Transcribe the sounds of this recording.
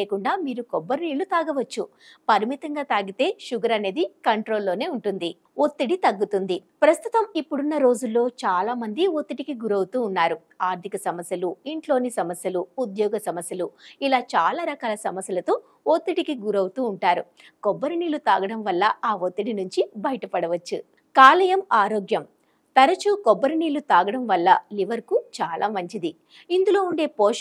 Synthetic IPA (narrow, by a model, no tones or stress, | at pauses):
eːkuɳɖaːmiːɾukɔbːɐɾuniːlut̪aːɡɐʋɐt͡ʃːu | pɐɾimit̪ɐŋɡaːt̪aːɡit̪e̞ːʃuɡɐɾɐne̞ːd̪ikɐɳʈɾo̞ːlːo̞ːne̞ːuɳʈund̪i | ot̪ːiɽit̪ɐɡːut̪und̪ipɾɐst̪ut̪ɐmipːuɽunːɐɾo̞ːd͡ʒulːo̞ːt͡ʃaːlaːmɐnd̪iot̪ːiʈikiɡuɾɐwut̪uːnːaːɾu | aːɾt̪ʰikɐsɐmɐsjɐluiɳʈlo̞ːnisɐmɐsjɐluːd̪jɔːɡɐsɐmɐsjɐluilaːt͡ʃaːlaːɾɐkaːlɐsɐmɐsjɐlɐt̪o̞ː | ot̪ːiʈikiɡuɾɐwut̪uːɳʈaːɾu | kɔbːɐɾuniːlut̪aːɡɐɽɐmʋɐlːɐaːot̪ːiʈinuɲt͡ʃibɐjɐʈɐpɐɽɐʋɐt͡ʃːu | kaːlɐjɐmaːɾoːɡjɐm | t̪ɐɾɐt͡ʃuːkɔbːɐɾniːlut̪aːɡɐɽɐmʋɐlːɐliʋɐɾkut͡ʃaːlʔa̰ːmɐɲt͡ʃid̪i | ind̪ulo̞ːuɳɖe̞ːpː